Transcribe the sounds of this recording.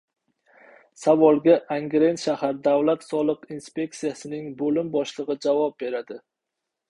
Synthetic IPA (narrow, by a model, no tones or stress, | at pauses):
savɒlˠɡʲaʔaŋɡʲɾe̞nt̪ʃahaɾd̪avlat̪sɒlˠɨqinspe̞k̚t̪sijasɪnɪŋbolɪmbɒʃlˠɨʁɨd͡ʒavɒp̚be̞ɾad̪ɪ